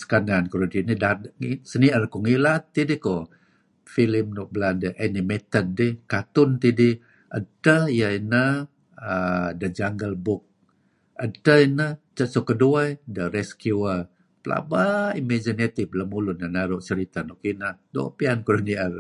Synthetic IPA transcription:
sə̥kanankuɾodinidadŋsəniərkɔŋilat̪ːidiko | filimnɔʔbladəʔanimet̪əd̚ːikat̪ʊnt̪idi | ʔətəjəinə | ədəd͡ʒaŋɡəlbʊk̚ | ətəinət͡ʃəsokəduaidəɾɛskjuə | pəla̰baimad͡ʒinet̪ibləmulʊnanaɾuʔsəɾit̪anokinədopiankuɾoniər

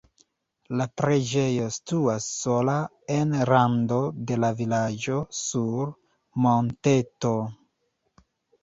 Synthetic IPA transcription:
lapɾe̞d͡ʒe̞jo̞situasːo̞la | e̞nɾando̞de̞lavilad͡ʒo̞suɾ | monte̞to̞

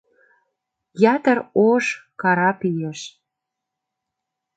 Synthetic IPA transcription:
jɑt̪ə̆ɾoʃkɑɾɑpijeʃ

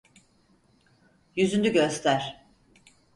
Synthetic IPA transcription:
jyzynd̪yɟøst̪ʰæɾ̥

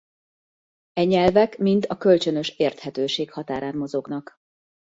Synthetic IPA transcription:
ɛɲɛlvɛkmint̪ʰɒkø̞lt͡ʃønø̞ʃeːrt̪hɛt̪øːʃeːkhɒt̪aːɾaːnmo̞zo̞ɡnɒk

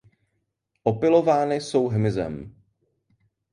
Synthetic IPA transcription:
ʔopɪlo̞vaːnɪso̞wɦmɪzɛ̰m

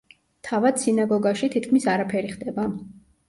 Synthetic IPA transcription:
t̪ʰavad̪̥sinaɡɔɡaʃit̪ʰit̪̚ʰkʰmisaɾapʰɛɾiχd̪ɛba

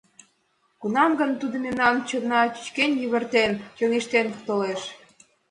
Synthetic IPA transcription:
kunɑmɡənt̪ud̪ə̆memnɑnt͡ɕə̆nːɑt͡ɕy̥t͡ɕkenjyβə̆rt̪ent͡ɕoŋeʃt̪ent̪oleʃ

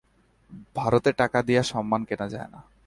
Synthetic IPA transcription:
bʱaɾot̪eʈakad̪ijaʃɔmːankenad͡ʑa̰ena̰

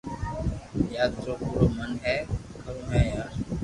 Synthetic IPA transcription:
jaːd̪ɾoːpuːɾoːmənɦɛː | kəɾõːɦɛːjaːɾ

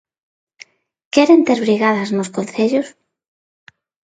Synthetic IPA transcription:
kɛɾent̪eɾβɾiɣaðaznoskonθeʎʊs

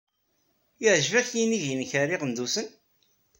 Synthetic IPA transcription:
ɪʕʒvæçjiniʝjənçaɾiʁənd̪usən

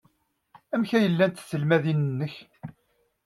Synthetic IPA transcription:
æmçæjəlːænt̪sːəlmæðinənːəç

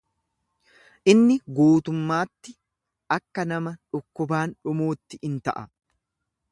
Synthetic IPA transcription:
ʔɪnːɪɡuːt̪ʊmːaːt̪ːɪ | ɐkːɐnɐmɐᶑʊkːʊbaːnᶑʊmoːt̪ːɪʔɪnt̪ɐʔɐ

